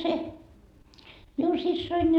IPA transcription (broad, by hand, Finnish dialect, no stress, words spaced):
se miun sisːoin